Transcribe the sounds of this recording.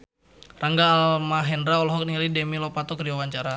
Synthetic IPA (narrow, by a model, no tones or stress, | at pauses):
raŋɡaːlmaɦɛndɾaɔlɔɦɔk̚nialidɛmilɔpat̪ɔkɾdiwawaɲt͡ʃaɾa